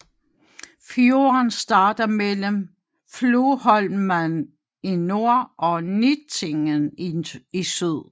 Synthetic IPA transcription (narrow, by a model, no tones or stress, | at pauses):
fjo̝ɐnsd̥ɑ̈ːd̥ɐmeləm | floːhɒ̽lmæn | ino̝ɐ̰ʔɒ̽nit͡sʰe̝ŋən | isyð̰ˠ